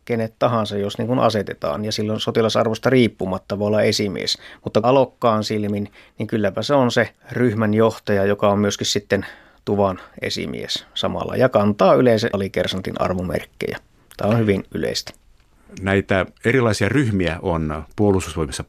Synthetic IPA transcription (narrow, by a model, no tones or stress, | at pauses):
kenet̪t̪ɑhɑnsɑjjosnḭŋkunʔɑ̰set̪et̪ɑ̰ːnjɑsilːonsot̪ilɑsɑ̰rʋost̪ɑriːpːumɑt̪ːɑʋoolːɑesimḭḛsmut̪ːɑɑlokːɑːnsilminniŋkylːæpæseonseryhmænjoht̪ɑjɑjokɑommyøskissit̪ːen | t̪uʋɑnḛsḭmḭḛssɑmɑ̰lːɑ̰jɑkɑnt̪ɑːyleˑinsæʔɑlikersɑnt̪ḭnɑ̰rʋumḛrkːḛjæ̰ | t̪æːonhyʋinʔylḛˑist̪æ̥ | næit̪æerilˑɑˑisiɑryhmiæonpuolust̪ːusʋoimisːɑ